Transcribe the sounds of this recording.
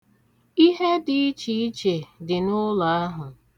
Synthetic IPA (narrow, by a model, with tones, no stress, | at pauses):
i˦ɦe˦di˨i˦t͡ʃi˨i˦t͡ʃe˨dɪ˨nʊ˦la˨˦a˦ɦʊ˨